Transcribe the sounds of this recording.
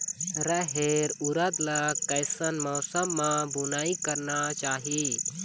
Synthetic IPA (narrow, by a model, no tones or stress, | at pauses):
ɾəɦeɾuɾəd̪lɐkɐɪsənmɔːsəmːãbunaːikəɾnat͡ʃaːɦi